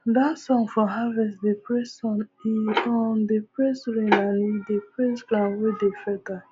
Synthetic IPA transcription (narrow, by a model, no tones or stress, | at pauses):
dasɔ̃ŋfɔ̃ɦavɛsdepɾessɔniɔndepɾesɾenanidepɾesɡlãwedefɛta